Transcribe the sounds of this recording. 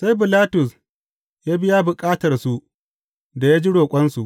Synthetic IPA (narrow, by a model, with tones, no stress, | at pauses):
sa˦jbɪ˨laː˦tʊ˨s | jaː˦bɪ˦jaː˦bʊ˨kʼaː˦tɐ˨rsu˨ | da˨jaː˦d͡ʒi˦ɽoː˨kʷʼɐ˦nsu˨ʔ